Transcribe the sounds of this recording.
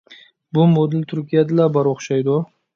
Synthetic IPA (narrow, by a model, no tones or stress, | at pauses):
bʊmod̪ɪlt̪ʰʊɾkʲʰijad̪ɪlabaɾoχʃajd̪ɔ